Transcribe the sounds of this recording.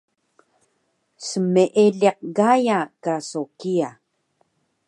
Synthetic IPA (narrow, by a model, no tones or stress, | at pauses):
səmeʔeɮeq̚ɣajakasokia